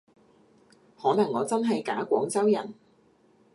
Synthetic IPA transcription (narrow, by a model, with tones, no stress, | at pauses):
hɔː˨˥nɐ˨˩ŋːɔː˨˧t͡sɐ˥nɦɐ˨jka̰ː˨˥kʷɔː˨˥ŋt͡sɐ˥wjɐ̰˨˩n